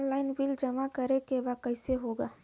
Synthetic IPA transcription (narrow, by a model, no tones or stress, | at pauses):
nlaːɪnbɪld͡ʒɐmakɐɾekebakəɪseɦoːɡaː